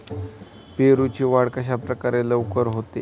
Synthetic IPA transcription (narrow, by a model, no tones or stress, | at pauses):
peɾut͡ɕiːʋaɽkaɕ̬apɾəkaɾeləwkəɾɦot̪e